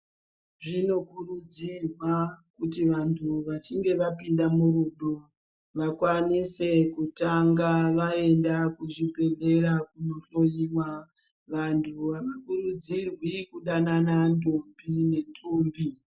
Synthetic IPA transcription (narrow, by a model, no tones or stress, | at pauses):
ʐino̞kurud͡zirwakutiʋantʰuʋat͡ʃiŋɡe̞ʋapindamuɾuɗo | ʋakwanise̞kutaŋɡaʋae̞ndakuʐipe̞le̞ɾakuno̞ɬo̞jiwa | ʋantʰuʋamakuɾud͡zirwikuɗananandumbine̞ntuːmbi